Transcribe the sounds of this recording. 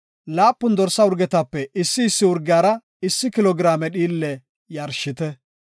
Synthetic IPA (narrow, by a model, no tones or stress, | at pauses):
laːpːʊnd̪ɔɾsːɐʊɾɡɛt̪ɐpːɛʔɪsːɪːsːɪʊɾɡɪjaːɾɐ | ɪsːɪkɪlɔɡɪɾaːmɛɗiːlːɛ | jɐɾʃɪt̪ɛ